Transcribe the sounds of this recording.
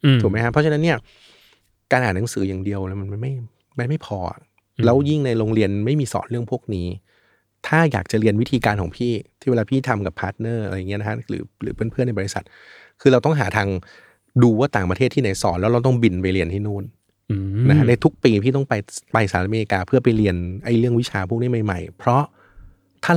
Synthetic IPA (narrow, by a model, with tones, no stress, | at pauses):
u˨˩˦ma˦jkʰa˥pʰːɔ˦˥t͡ɕa˧na˦˥nːi˥˩ɐ | kaː˧nʔaː˨˩nːa˨˦ŋsɯː˩˦jaː˨˩ŋdi˧əwlɛ˨˩˦ma˧nma˧nma˥˩j | ma˧˩nma˥˩jpʰɔː˧ʔa̰˨˩ | lɛː˦˥wji˥˩ŋna˧jɾoː˧ŋɾi˧ənma˥˩jmiː˧sɔ̰ː˩˦nɾɯ˥˩əŋpʰu˥˩ək̚niː˦˥ | t̪ʰaː˥˩ja̰ː˨˩k̚t͡ɕa˨˩ʔɾi˧ənwi˦˥t̪ʰiː˧kaː˧nkʰɔː˩˦pʰiː˥˩t̪ʰiː˥˩eː˧laː˧pʰiː˥˩t̪ʰa˧mka˨˩pʰːaː˦˥t̪̚nɤː˥˩˧jːŋi˦˥˧na˦˥kʰɾɯ̰ː˩˦ɾɯː˩˦˥npʰɯ˥˩na˧jbɔ˧˩i˦˥sa˨˩t̪̚ | kʰɯː˧ɾa˧wt̪ɔ˥˩ŋɦaː˩˦t̪ʰaː˧ŋ | duː˧waː˥˩t̪aː˨˩ŋpa˧t̪ʰeː˥˩t̪ʰːiː˥˩na˨˩˦jsɔː˩˦nlɛ˦˥wɾa˧wt̪̬ɔ˥˩ŋbi˧npa˧jli˧ənt̪ʰiː˥˩nuː˥˩n | na˦˥kʰa˥na˧jt̪ʰu˦˥k̚piː˧pʰiː˥˩t̪̬ɔ˥˩ŋpa˧jpa˧jsaː˧˨˦ʔmeː˧li˧kaː˧pʰɯ˥˩ɐpa˧jli˧ənʔa˧˩jɾɯ˥˩əŋwt͡ɕʰaː˧pʰu˥˩k̚niː˦˥ma˧jma̰˨˩jpʰɾɔ˦˥ | t̪ʰaː˥˩